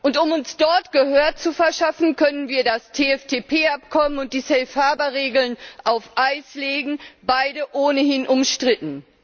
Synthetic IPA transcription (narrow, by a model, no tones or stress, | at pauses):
ʔʊntʊmʊnsd̥ɔɐtɡ̥əhøːɐt͡sufɛɐʃafn̩kʰœnənviːɐdastʰeːɛftʰeːpʰeːapkʰɔmənʊnt̚d̥iːsɛlfhaɐbɐʁeːɡl̩nʔaʊfʔaɪsleːɡŋ̩baɪdəʔoːnəhɪnʔʊmʃtʁ̥ɪtn̩